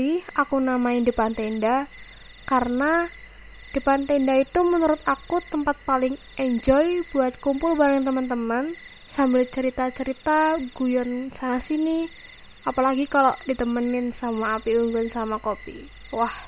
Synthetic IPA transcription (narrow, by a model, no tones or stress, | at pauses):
iakunamaɪndipant̪enda | kaɾəna | d̥ipant̪ɛndait̪umənuɾʊt̪̚akut̪əmpat̪̚palɪŋɛɲd͡ʒɔjbuat̪̚kumpʊlbaɾəŋt̪əmənt̪əmənsambɪlt͡ʃəɾit̪at͡ʃəɾit̪aɡujɔnsamasini | apalaɡikalodit̪əmənɪnsamaːpiuŋɡʊnsamakopḭwah